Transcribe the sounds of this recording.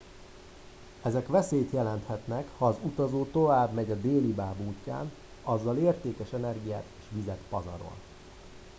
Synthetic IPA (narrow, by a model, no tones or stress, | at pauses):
ɛzɛkʋɛseːjt̪jɛlɛnt̪hɛt̪nɛkhɒːzut̪ɒzoːt̪o̞vaːbmɛɟɒd̪eːlibaːbuːcːa̰ːn | ɒzːɒleːrt̪eːkɛʃɛnɛrɡija̰ːt̪eːʃʋizɛt̪pɒzɒ̰ɾo̞̰n